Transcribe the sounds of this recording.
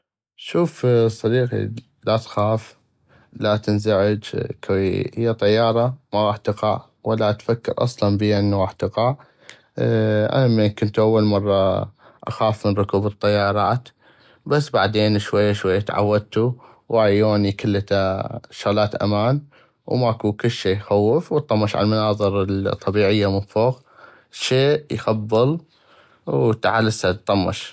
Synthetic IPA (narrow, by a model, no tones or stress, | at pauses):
ʃuːfsˤːɑɾiːqḭ | lat̪xaːf | lat̪ɪnzaʕɪd͡ʒkʰawhɪjːat̪ˤɑjːɑːɾˤɑmaɣɑːħt̪ɪqɑʕ | walːat̪fakːɪɾʔɑ̰sˤlɑnbiːʔɪnːuɣɑːħt̪ɪqɑʕ | ʔa̰namːeːnkʊnt̪ʔawːalmɑrˤːɑ | ʔa̰xaːfmənrˤʊkuːbɨt̪ˤːɑjːɑːɾˤɑːt̪ | basːbaʕd̪eːnʃwajːaʃwajːat̪ʕa̰wːad̪̚t̪u | wʔajoːnikalːt̪aʃʊɣlaːt̪ʔa̰maːn | wmaʔkukʊlːʃeːxawːɪfwət̪ˤːɑmːɑʃʕa̰lmanɑːðˤɨɾɪlt̪ˤːɑbiːʕɪjːamʊfuːq | ʃeːʔjxabːɨl | wt̪aʕalːasat̪ˤːɑmːɑ̰ʃ